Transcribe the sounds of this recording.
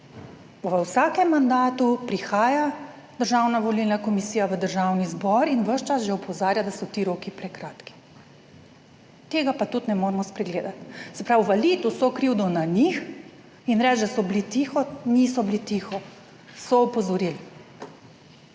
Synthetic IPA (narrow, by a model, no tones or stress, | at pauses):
ʋəwsaːkɛmːand̪aːt̪upɾixaːja | d̪̥əɾʒawnaʋɔlilnakɔmisiːjaʋəd̪əɾʒawnizbɔɾinʋəʃt͡ʃasʒɛɔpʰɔzaːɾjad̪asɔt̪iːɾoːkipɾɛkɾaːt̪ki̥ | t̪eːɡapat̪ut̪nɛmoɾmɔspɾɛɡleːd̪at̪sɛpɾawʋalit̪usɔkɾiwd̪ɔnanix | inɾɛt͡ʃd̪asɔblit̪iːxɔnisɔblit̪ixɔ | sɔɔpɔzɔɾiːl